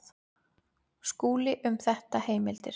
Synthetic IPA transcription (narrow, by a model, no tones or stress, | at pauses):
skuːlɪʔʏmθɛht̪aheːjmɪlt̪ɪ̰ɾ̥